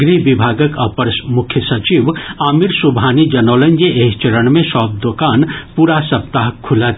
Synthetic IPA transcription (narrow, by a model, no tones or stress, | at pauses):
ɡɾiʋibʱaːɡəkɐpəɾsmʊkʰjəsɐt͡ʃiːʋaːmiɾsubʱaːnid͡ʒɐnoːlə̃nd͡ʒeeːɦt͡ʃəɾəɽ̃mẽsɔːp̚d̪oːkaːnpuːɾasɐp̚t̪aɦkʰʊlat̪